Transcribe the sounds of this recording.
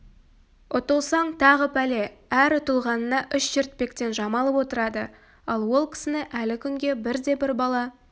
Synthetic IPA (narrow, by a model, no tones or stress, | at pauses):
ʊt̪əlˠsɑɴt̪ʰɑʁəpæle̞æɾʊt̪əlˠʁɑnənɑʔʏʃʒɪɾt̪̚pe̞kt̪e̞nʒɑmɑlˠəpwo̞t̪əɾɑd̪ə̰ | ɑlˠwo̞lˠkʲʰɪ̥sɪnɪʔælɪkʲʰʏŋɡʲe̞bɪɾd̪e̞bɪɾbɑlˠɑ